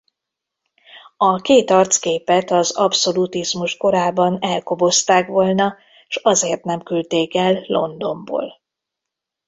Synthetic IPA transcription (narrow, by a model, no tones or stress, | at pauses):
ɒkeːt̪ɒrt̪skeːpɛt̪ɒzɒpso̞lut̪izmuʃko̞ɾaːbɒnɛlkobo̞st̪aːkʋo̞lnɒ | ʃɒzeːrt̪nɛmkylt̪eːkɛlːo̞nd̪o̞mbo̰ːl